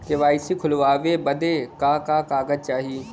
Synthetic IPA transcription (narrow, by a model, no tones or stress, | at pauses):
keʋaːɪsikʰʊlʋaːʋebɐd̪ekaːkaːkaːɡəd̪̚t͡ʃaːɦiiː